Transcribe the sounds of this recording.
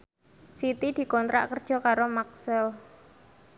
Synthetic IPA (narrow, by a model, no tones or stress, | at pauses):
sit̪id̪̥i̤kɔnt̪ɾa̰ʔkərd̥ʒ̥ɔ̤kaɾomaksəl